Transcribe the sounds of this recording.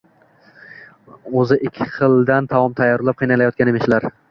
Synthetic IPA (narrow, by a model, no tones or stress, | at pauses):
ɵzɪʔɪkʲʰːɪ̥qʰɨlˠd̪ant̪ʰavɒmt̪ʰajːɒɾlˠap̚qʰɨjnalajɒt̪̚kʲanemeʃlaɾ